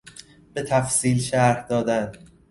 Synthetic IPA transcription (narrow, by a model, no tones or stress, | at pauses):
b̥e̞t̪ʰæfsiːlʃæɾhd̪ɒːd̪æn